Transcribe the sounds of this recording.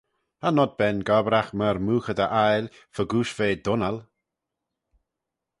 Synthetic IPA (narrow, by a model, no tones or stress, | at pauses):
hanɔd̪̚bɛnɡɔbɾaxməɾmuːxəd̪əʔajlʲ | fəɡuːʃveːd̪ʊnal